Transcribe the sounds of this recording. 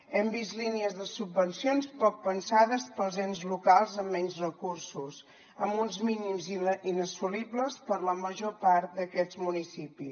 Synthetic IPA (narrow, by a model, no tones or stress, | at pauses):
ɛmbist̪liniəzðəsubːənsionspɔk̚pənsaðəspəlˠzenzlukalˠzəmːɛnzrəkuɾsus | əmbunzminimzinəsulibləspəɾləməʒopaɾt̪̚d̪əkɛd͡zmunisipi